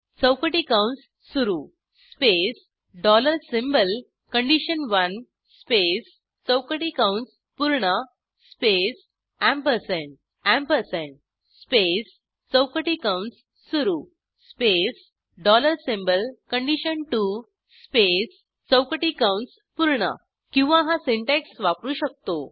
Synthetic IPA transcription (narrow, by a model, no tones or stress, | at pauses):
t͡səwkəʈikãʊɳʈsːuɾu | spes | ɖɔləɾsĩmbəl | kəɳɖiɕənʋɐn | spes | t͡səwkəʈikãʊɳʈs | puɾɳa | spes | æ̃mpəɾsẽɳʈ | æ̃mpəɾsẽɳʈ̚ | spes | t͡səwkəʈikawɳʈsː | uɾuː | spes | ɖɔləɾsimbəlkəɳɖiɕənʈu | spes | t͡səwkəʈikawɳʈs | puɾɳə̰ | kĩw̃ʋãɦãsiɳʈeksʋapɾuːɕək̚t̪o